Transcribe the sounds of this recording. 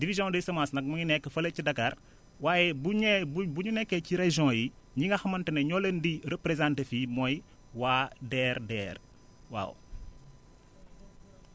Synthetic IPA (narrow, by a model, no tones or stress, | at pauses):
divizjɔ̃desɐmasnɐk̚mɐɲinɛkːəfɐlecːidɐkar | waːjɛbubuɲunɛkːeciɾeʒɔ̃ji | ɲiŋɡɐxɐmɐntɐneɲɔlendiɾepɾezãntefimɔj | waːdɛːɾdɛːr | wa̰ːw